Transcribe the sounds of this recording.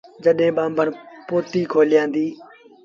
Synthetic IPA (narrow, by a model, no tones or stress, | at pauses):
d͡ʒəɗɦẽːɓaːmbʱənpoːt̪iːkʰoːlɪjãːnd̪iː